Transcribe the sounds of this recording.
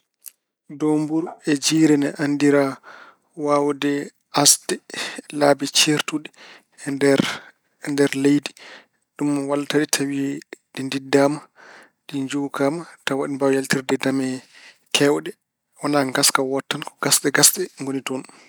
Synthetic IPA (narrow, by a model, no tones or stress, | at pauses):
dombuɾɛd͡ʒiːɾɛnɛʔandiɾa | wawdɛ | asdɛlaːbɛt͡ʃeɾtuɗɛ | dɾ | ndɛɾlejdi | ɗumwaltaɗitʰawiɗindidːaːma | ɗiɲd͡ʒukamatawaɗibawjaltiɾdɛdamɛ | kʰɛwɗɛ | wanaŋɡaskawɔtːankɔ̥ɡasɗɛɡasɗɛŋɡonitɔn